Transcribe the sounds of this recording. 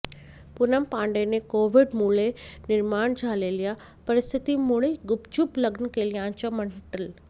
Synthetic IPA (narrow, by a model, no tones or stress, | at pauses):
pʊnəmpãːɳɖenẽkoːʋɪɖmuːlenɪɾmaːɽ̃d͡ʑʱaːlelija | pɐɾɪst̪ʰɪt̪imʊɽ̃eɡʊbd͡ʑʊplɐɡnkeːlijãːnt͡ɕaməɳʈəl